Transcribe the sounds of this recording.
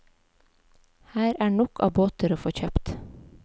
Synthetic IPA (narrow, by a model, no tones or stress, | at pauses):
hæːɾæːɳɔkʰɑ̰ːboːt̪əɾoːfoːçœpt̪